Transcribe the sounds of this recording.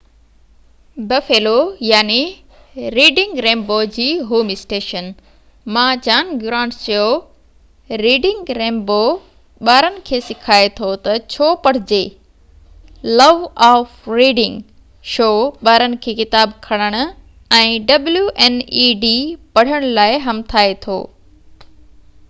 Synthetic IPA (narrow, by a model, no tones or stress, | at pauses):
bɐfeːlojaːni | ɾiːɖɪ̃ŋɡɾẽːmboːd͡ʑiːɦoːmɪsʈeːʃən | mãːd͡ʑaːnɡʊɾãːɳʈt͡ɕɐjo | ɾiːɖɪ̃ŋɡɾẽːmbo | ɓaːɾənɪ̆kʰeːsɪkʰaːet̪ʰot̪ɐt͡ɕʰoːpɐɽ̤ɪd͡ʑeː | lɐʋaːfɾiːɖɪ̃ŋɡ | ʃoːɓaːɾənɪ̆kʰeːkɪt̪aːbkʰɐɽ̃əɽ̃ʊ̆ | ɛ̃ːɖɐbljuʔɛːniːɖiːpɐɽ̤əɽ̃laːɪɦɐmt̪ʰaːet̪ʰo̰ː